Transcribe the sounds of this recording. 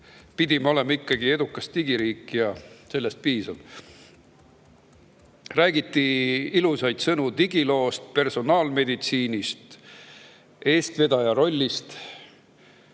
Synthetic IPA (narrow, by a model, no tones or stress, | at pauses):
pid̪̥ʲimɑo̞le̞mɑikːɑɡ̥ie̞d̪̥ukːˑɑst̪iɡ̥iɾiːkːˑijɑse̞lːe̞st̪̚piːsɑn | ræːɡ̥it̪ːiilusɑjd̪̥sɤnut̪iɡilo̞ːst̪̚pe̞rso̞nɑːlme̞d̪it̪siːnʲist̪ | e̞ːst̪ve̞d̪̥ɑjɑɾo̞lʲːist̪